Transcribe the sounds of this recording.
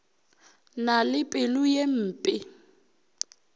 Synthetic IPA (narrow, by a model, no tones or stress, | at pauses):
nalɪpʼɪlʊjem̩ːpʼɪ